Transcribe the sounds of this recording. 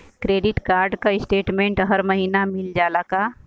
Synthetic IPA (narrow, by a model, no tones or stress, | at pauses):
kɾeːɖɪʈkaːɾɖkaɪsʈeːʈmẽːɳʈɦɐɾməɦiːnamɪld͡ʒaːlaka